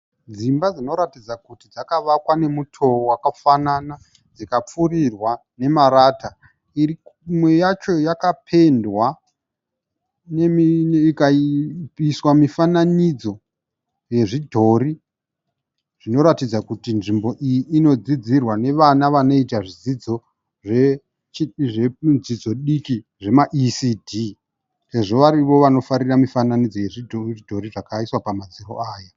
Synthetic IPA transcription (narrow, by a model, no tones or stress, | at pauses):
d͡zimbad͡zino̞ɾatid͡zakutid͡zakaʋakwane̞mutʰo̞wakafanana | d͡zikap͡furirwa | ne̞maɾaːta | irimwejat͡ʃo̞jakapʰe̞ndwa | nemikaipiswamifananid͡zo̞ | je̞ʐidʱo̞ɾi | ʐ̥ino̞ɾatid͡zakutinʐimbo̞ʔijiʔːno̞d͡zid͡zirwane̞ʋanaʋano̞itaʐizid͡zo | ʐe | t͡ʃiʐe̞d͡zid͡zo̞ɗiki | ʐe̞maʔisiːdʱi | se̞ʐo̞ʋaɾiʋo̞ʋano̞faɾiramifananid͡zo̞je̞ʐidʱodʱo̞riʐakaiswapamad͡ziro̰aːja